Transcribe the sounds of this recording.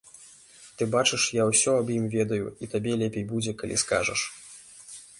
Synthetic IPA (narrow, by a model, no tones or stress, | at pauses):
t̪ɨbat͡ʂɨʂjawsʲɔɐbjimvʲɛd̪ɐjṵit̪abʲɛlʲɛpʲejbud͡zʲɛkɐlʲʔḭska̰ʐɐ̰ʂ